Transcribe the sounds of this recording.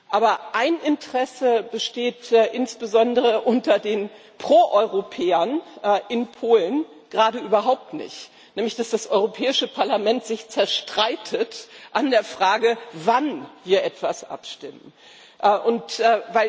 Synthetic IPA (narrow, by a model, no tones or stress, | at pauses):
ʔaːbɐʔaɪnʔɪntəʁɛsəbəʃteːtːʔɪnsb̥əzɔndəʁəʔʊntɐdeːn | pʁ̥oːʔɔʏʁopʰɛːɐnʔɪnpʰoːlən | ɡ̥ʁaːdəʔyːbɐɦaʊp̚tnɪ̰çt | nɛːmlɪçd̥asd̥asʔɔʏʁopʰɛːɪʃəpʰaɐlamɛntz̥ɪçt͡sɛɐʃtʁ̥aɪtʰətʔandeːɐfʁ̥aːɡəvanviːɐʔɛtv̥asʔa̰pʃtɪmən | ʔʔʊntːvaɪl